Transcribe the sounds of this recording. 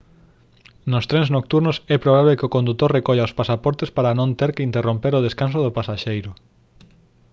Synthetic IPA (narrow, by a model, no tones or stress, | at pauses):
nost̪ɾɛ̃nznok̚t̪uɾnosɛpɾoβ̞aβekɪokõnd̪ut̪ːorrekɔʎaospasapɔɾt̪espaɾɐnõnt̪eɾkɪint̪erõmpeɾoðeskans̬oðʊpasaʃejɾʊ